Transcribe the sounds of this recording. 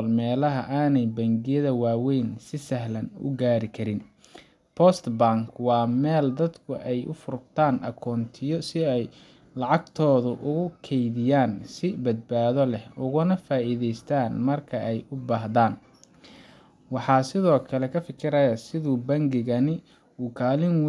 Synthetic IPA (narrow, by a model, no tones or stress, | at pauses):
lmɛːlɐɦɐʔaːnɛjbɐŋɡɪjɐðɐwaːwɛjnsɪsɐɦlɐnʊ̰ɡaːɾɪkʰɐɾɪn | pʰɔst̪baŋkʰwɑːmɛːld̪ɐd̪kʰʊʔɛjʔʊ̰fʊɾbt̪ʰaːnʔɐ̰kʰɔːnt̪ʰɪjɔsɪɛj | lɑʕɑɡt̪ʰɔːðʊʔʊɣʊkʰɛjðɪjaːnsɪbɐd̪̚baːðɔlɛhʊɣʊnɐfaːiðɛjst̪ʰaːnmɐrkʰɐʔɛjʊbaːɦðaːn | wɑħɑːsɪðɔːkʰɐlɛkʰɐfɪkʰɪɾɐjɐsɪðʊbɐŋɡɪɣɐnɪ | uːkʰaːlɪnw